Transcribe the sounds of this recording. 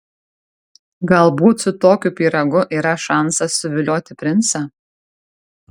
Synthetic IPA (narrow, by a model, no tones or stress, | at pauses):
ɡɐlˠbuːt̪sʊt̪oːkʲupʲiːɾɐɡʊʔiːɾɐʃɑˑnsɐsʊʋʲɪlʲoːt̪ʲɪpʲɾʲɪnsɑ